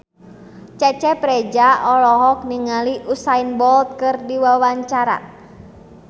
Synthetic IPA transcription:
t͡ʃɛt͡ʃɛpɾɛd͡ʒaɔlɔɦɔk̚niŋaliʔusainbɔlt̪̚kɨrdiwawaɲt͡ʃaɾa̰

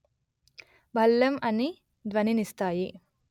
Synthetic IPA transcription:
bʱɐlːɐmɐni | d̪ʋɐninist̪aːji

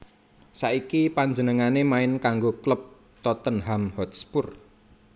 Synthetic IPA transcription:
saʔikipand͡ʒənəŋanemaɪnkaŋɡokləp̚ | t̪ɔt̪ənɦamhɔt̪spʊr

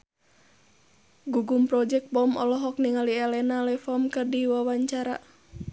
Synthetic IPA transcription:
ɡuɡumpɾɔd͡ʒɛk̚bɔmɔlɔɦɔk̚niŋaliɛlɛnalɛfɔmkɨrdiwawaɲt͡ʃaɾa

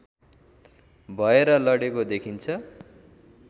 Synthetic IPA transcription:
bʱʌeɾʌlʌɽekod̪ekʰint͡sʰʌ

